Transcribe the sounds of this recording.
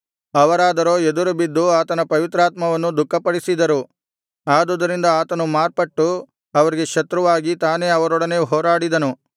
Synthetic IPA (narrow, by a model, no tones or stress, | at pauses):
ɐʋɐɾaːd̪ɐɾo̞ːed̪uɾubid̪ːuaːt̪ɐnɐpɐʋit̪ɾaːt̪mɐʋɐnːud̪ukːɐpɐɽisid̪ɐɾu | aːd̪ud̪ɐɾind̪ɐaːt̪ɐnumaːɾpɐʈːu | ɐʋɐɾiɡe̞ʃɐt̪ɾuʋaːɡit̪aːne̞ːɐʋɐɾɔɽɐneːɦoːɾaːɽid̪ɐnu